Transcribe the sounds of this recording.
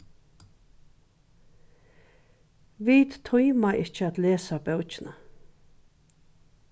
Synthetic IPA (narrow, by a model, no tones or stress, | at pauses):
viːt̪t̪ʰʊjmaʔɪt͡ʃəat̪leːsabɛwt͡ʃɪna